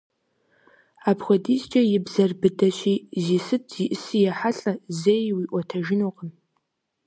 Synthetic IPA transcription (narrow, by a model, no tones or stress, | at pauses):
apʰxʷɐdizt͡ʃʼɐjɪbzɐrbɨdɐɕʷiːzisɨtʰz̥iʔɨsɨjaħaɬʼɐzejwiʔʷɔtʰɐʒɪnoqʼən